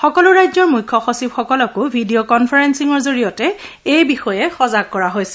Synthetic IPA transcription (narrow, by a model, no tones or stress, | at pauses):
xɔkɔlʊɹajzɔɹmujkʰːɔxosibxɔkɔlɔkʊbʱidijokɔnpʰaɹɛnsiŋɔɹzoɹijɔtɛ | ejbixɔjɛxɔzaɡ̚kɔɹaɦojsɛ̥